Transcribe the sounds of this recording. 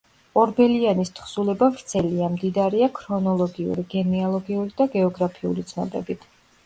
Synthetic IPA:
ɔɾbɛlianist̪χsulɛbavɾt̪sʰɛliamd̪id̪aɾiakʰɾɔnɔlˠɔɡiṵɾiɡɛnialˠɔɡiuɾid̪aɡɛɔɡɾapʰiṵlit̪sʰnɔ̰bɛ̰bit̪ʰ

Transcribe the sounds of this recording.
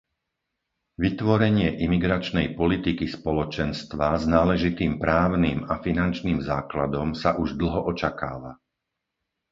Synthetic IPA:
ʋit̪ʋɔɾɛɲɪɛʔimiɡɾat͡ʃnɛjpɔlit̪ikispɔlɔt͡ʃɛnst̪ʋaznaːlɛʒit̪iːmpɾaːʊniːmafinant͡ʃniːmzaːklad̪ɔmsaʔuʒd̪l̩ˠɦɔʔɔt͡ʃakaːʋa

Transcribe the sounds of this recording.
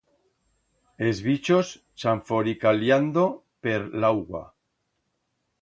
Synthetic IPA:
ezβit͡ʃos | t͡ʃaɱfoɾikaljand̪o | peɾlawɣa̰

